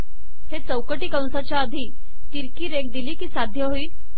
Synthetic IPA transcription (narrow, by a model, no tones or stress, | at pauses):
het͡səwkəʈiːkãw̃sat͡ɕjaəd̪ʱiː | t̪iɾkiːɾek̚d̪iliːkiːsad̪ʱjəɦoiːl